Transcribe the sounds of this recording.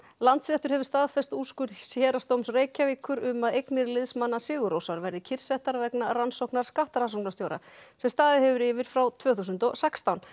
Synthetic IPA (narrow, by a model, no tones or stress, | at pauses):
lant̪sɾɛht̪ʏɾ̥ɦɛvʏ̥st̪aːðfɛst̪uskʏɾsjɛːɾast̪owmsreːjcaviːkʏɾʏmaðejknɪɾlɪðsmanːasɪːɣʏɾowsaɾvɛɾðɪcʰɪr̥sɛht̪aɾvɛknaransowknaɾ̥skaht̪aɾansowknast̪joːwɾa̰sɛmst̪aːðɪhɛvʏɾɪvɪɾ̥fɾawt̪ʰvœːθusʏnt̪ɔɣsɛkst̪awn